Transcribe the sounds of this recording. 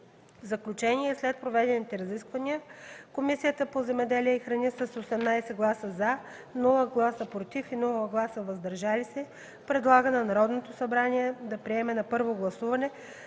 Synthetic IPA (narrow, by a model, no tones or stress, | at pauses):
vzɐklʲut͡ʃɛniɛslɛt̪̚pɾovɛd̪ɛnit̪ɛɾɐziskvɐniəkomisijət̪əpozɛmɛd̪ɛliɛixɾɐnisəsosɛmnajsɛɡlˠasəza | nɔlˠəɡlˠasəpɾot̪ifinulˠəɡlˠasəvɐzd̪ɐɾʒalisɛ | pɾɛd̪lˠaɡənɐnɐɾɔd̪not̪osɐbɾaniɛd̪ɐpɾiɛmɛnɐpɤɾvoɡlˠɐsuvɐnɛ